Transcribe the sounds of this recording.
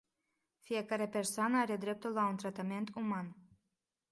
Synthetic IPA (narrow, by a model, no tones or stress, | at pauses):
fije̞kaɾe̞pe̞rsoanəaɾe̞d̪ɾe̞p̚t̪ulːaunt̪ɾat̪ame̞nt̪ʰuman